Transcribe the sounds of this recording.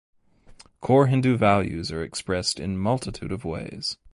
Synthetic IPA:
kʰɔɹɦɪ̃ndʉvælˠjʉ̰zə˞ɨkspɹɛstɨ̰̃nmʌlˠtʰətʰʉ̰ɾʌvwḛɪz̥

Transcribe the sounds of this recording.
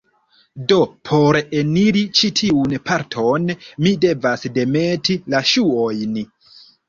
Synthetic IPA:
do̞pʰo̞ɾeniɾit͡ʃitʰiunpʰaɾtʰo̞nmide̞vasde̞me̞tʰilaʃuojn

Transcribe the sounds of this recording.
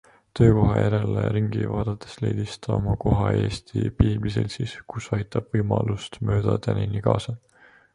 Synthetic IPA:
t̪ø̞ːko̞ɦɑjæɾe̞leɾiŋɡ̥ivɑːd̪̥ɑt̪ːˑe̥slejd̪̥ist̪ɑmɑko̞ɦɑe̞ːst̪ʰipiːblisḛlsiːskusɑjt̪ˑɑb̥vɤjmɑlust̪mø̞ːd̪̥ɑt̪æninikɑːsɑ

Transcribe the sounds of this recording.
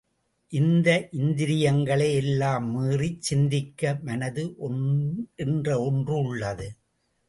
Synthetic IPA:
ʔɪnd̪ɐʔɪnd̪ɪɾɪjɐŋɡɐɭɐɪɛlːaːmːiːrit͡ʃsɪnd̪ɪkːɐmɐnɐðɯʔɔnʔɛndrɐɔndrɯʊɭːɐðɯ

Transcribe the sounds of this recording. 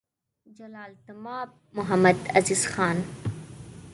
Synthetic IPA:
d͡ʒɐlaːlt̪ɐmaːb̚ | mʊɦɐmɐd̪ɐziːzxaːn

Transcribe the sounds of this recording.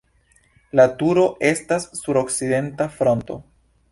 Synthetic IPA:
latuɾo̞ʔe̞stasːuɾo̞kside̞ntafɾo̞nto̞̰

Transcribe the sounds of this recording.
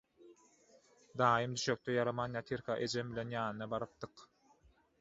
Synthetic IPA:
d̪ɑːjɯmd̪yʃøk̚t̪ʰøjɑɾɑmɑnjɑt̪ʰiɾkʰɑʔe̞d͡ʒembilʲe̞njɑːnɯnɑbɑɾɯp̚t̪ɯq

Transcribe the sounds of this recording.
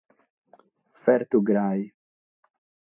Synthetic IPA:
fɛɾt̪uɡɾaj

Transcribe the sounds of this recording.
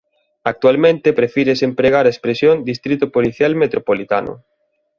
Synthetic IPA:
ak̚t̪ualmẽnt̪epɾefiɾesempɾeɣaɾaespɾesjond̪ist̪ɾit̪ʊpoliθjalmet̪ɾopolit̪a̰nʊ̰

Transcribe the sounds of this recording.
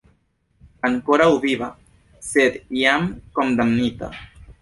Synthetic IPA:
aŋkoɾauβiβa | sed̪jamkomd̪amnit̪a̰

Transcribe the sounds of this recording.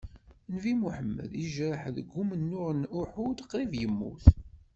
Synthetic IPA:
nvimuħəmːə̰ðiʒɾəħðəɡːumənːʊʁənʊħud̪qɾivjəmːṵθ

